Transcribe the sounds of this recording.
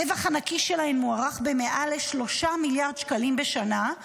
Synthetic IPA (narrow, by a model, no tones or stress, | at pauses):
evaχanakiʃelahemːuaʁaχbe̞me̞ʔaleʃlo̞ʃamiljaʁd̪ʃkalimbeʃana